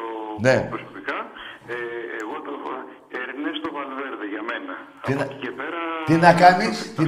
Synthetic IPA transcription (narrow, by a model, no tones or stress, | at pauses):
onepɾosopikɐeeɣot̪ɐ | eɾnest̪ovɐlveɾðeʝɐme̞nɐ | inɐcepeɾɐt̪inɐkɐnist̪i